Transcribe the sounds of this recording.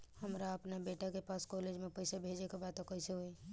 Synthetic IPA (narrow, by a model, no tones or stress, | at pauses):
həmɾaəpnabeʈakepaskɔled͡ʒmepəjsabʱed͡ʒekebat̪okəseɦoe